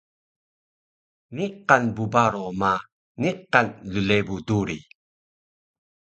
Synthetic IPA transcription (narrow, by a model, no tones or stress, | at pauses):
niqanbubaɾoma | niqːanlulebuduɾi